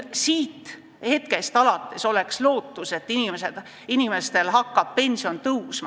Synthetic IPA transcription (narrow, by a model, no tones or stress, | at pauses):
siːt̪ːˑ | he̞t̪̚ke̞st̪ɑlɑt̪ˑːe̞so̞le̞kslo̞ːt̪ːˑuse̞t̪ːˑinimesed̪̥ | inime̞st̪e̞lɦɑkːɑb̥̚pe̞nʲsio̞nt̪ɤwsmɑ